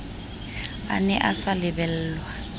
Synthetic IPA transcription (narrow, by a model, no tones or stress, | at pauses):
a̰nɛʔasalɪbɛl̩ːlwa